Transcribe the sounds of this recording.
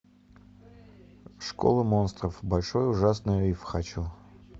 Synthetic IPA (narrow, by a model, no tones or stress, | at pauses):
ʂko̰lˠɨmo̞nst̪rəfbɐlʲʂojʊʐasnɨjəifxat͡ɕu